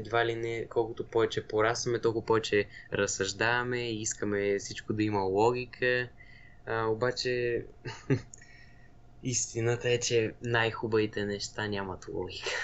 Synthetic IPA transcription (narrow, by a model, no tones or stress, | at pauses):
d̪valinɛkɔlˠkʊt̪opɔvɛt͡ʃɛpoɾasvɐmɛt̪ɔlˠkʊpɔvɛt͡ʃɛɾɐsɐʒd̪avɐmɛiiskəmɛfsit͡ʃkod̪ɐiməlˠɔɡ̟ʲikʰə | obat͡ʃɛ | ist̪inət̪əɛt͡ʃɛnajxubəvit̪ɛnɛʃt̪anʲamɐt̪lˠɔ̰ɡʲikə̥